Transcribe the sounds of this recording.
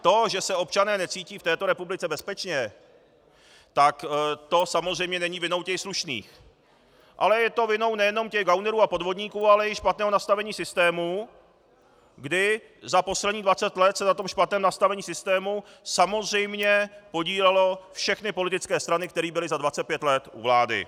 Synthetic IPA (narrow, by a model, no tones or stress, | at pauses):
t̪o̞ʒɛsɛo̞p̚t͡ʃanɛːnɛt͡siːciːft̪ɛːt̪o̞ɾɛpublɪt͡sɛbɛspɛt͡ʃɲɛ | t̪akt̪o̞samozr̝ɛjmɲɛnɛɲiːvɪno̞wcɛxsluʃnḭːx | ʔa̰lɛjɛt̪o̞vɪno̞wnɛjɛno̞mcɛɣɡawnɛɾuːapo̞dvo̞d̪ɲiːkuːalɛɪʃpat̪nɛːɦonast̪avɛɲiːsɪst̪ɛːmu | ɡdɪ | zapo̞slɛd̪ɲiːdvat͡sɛt̪lɛt̪sɛnat̪o̞mʃpat̪nɛːmnast̪avɛɲiːsɪst̪ɛːmu | samo̞zr̝ɛjmɲɛpo̞ɟiːlɛlo̞fʃɛxnɪpo̞lɪt̪ɪt͡skɛːst̪ɾanɪkt̪ɛɾiːbɪlɪzadvat͡sɛt̪̚pjɛt̪lɛt̪ʔṵvlaːdɪ̰